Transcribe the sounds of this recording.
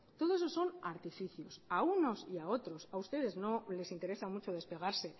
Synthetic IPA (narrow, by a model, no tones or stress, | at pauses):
t̪o̞ðo̞eso̞so̞naɾt̪ifiθjosauno̞siao̞t̪ɾo̞saust̪e̞ðe̞zno̞le̞sint̪e̞ɾe̞samut͡ʃo̞ðe̞spe̞ɣ̞aɾse̞